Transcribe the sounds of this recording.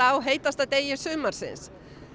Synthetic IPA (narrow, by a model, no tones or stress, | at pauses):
awɦeːjt̪ast̪at̪eːjɪɾ̥sʏːmaɾ̥sɪ̰ns